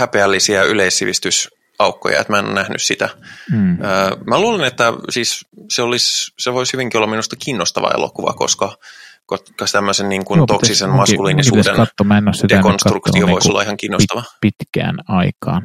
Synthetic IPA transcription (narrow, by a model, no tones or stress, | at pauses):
hæpeælːisiæyleisːiʋist̪ys | ɑukːo̰jɑ̰ḛt̪mæeno̰nnæhny̰ssit̪æ | əːmæluːlenet̪ːæsiːsseolisseʋoishyʋiŋkiolːɑminust̪ɑkʰiːnːost̪ɑ̰ʋɑ̰ḛlo̰kuʋɑ̰ko̰skɑkot̪kɑst̪æmːøsenniːŋkunokssisenmɑskuliːnisuːdḛnɑt̪ːomæenossid̪ekonst̪rukt̪ioo̰isolːɑihɑŋkiːnːost̪ɑʋɑpit̪kæ̰ːnɑikɑːn